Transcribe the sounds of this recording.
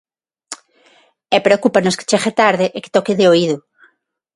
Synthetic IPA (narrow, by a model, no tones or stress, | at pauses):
ɛpɾeokupanoske̥t͡ʃeɣet̪aɾðɪʔeke̥t̪ɔkɪðɪoiðʊ